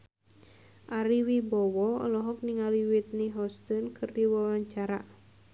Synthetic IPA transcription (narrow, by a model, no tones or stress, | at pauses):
ʔaɾiwibɔwɔɔ̰lɔɦɔk̚niŋaliwit̪̚niɦɔst̪ɔnkʰɨrdiwɔwaɲt͡ʃaɾa